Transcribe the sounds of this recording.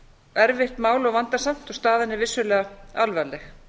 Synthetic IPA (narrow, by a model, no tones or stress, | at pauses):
ɛɾvɪht̪maːwlɔɣvant̪asam̥t̪ɔɣst̪aːðɪnːɪvɪsːʏlɛːɣaalvɛlːɛx